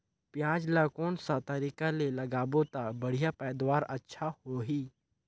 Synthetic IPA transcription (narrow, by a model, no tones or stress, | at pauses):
pjãːd͡ʒlakoːnsat̪ɐɾiːkalelɐɡaːbot̪abɐɽ̤ijapɛːd̪waːɾətːʃʰahoɦiː